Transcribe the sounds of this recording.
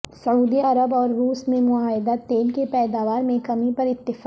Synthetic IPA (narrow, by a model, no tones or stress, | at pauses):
sɐuːd̪iɐɾəbɔːɾːuːsmẽmʊaːɦɪd̪at̪eːlkepɛːd̪aːʋaːɾmẽkɐmipɐɾɪt̪ːɪf